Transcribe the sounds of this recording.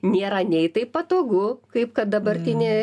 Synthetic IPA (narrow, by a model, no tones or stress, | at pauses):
nʲeːɾɐnʲɛɪt̪ɐɪpɐt̪oːɡʊkɐɪp̚kɐt̪̚d̪ɐbɐɾʲt̪ʲɪnʲeː